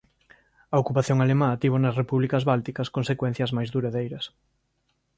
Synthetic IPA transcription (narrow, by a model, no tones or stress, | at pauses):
ɐokupaθjõŋalemãat̪iβonɐsrepuβlikɐzβalt̪ikɐskonsekwẽn̟θjɐzmajzðuɾaðejɾɐs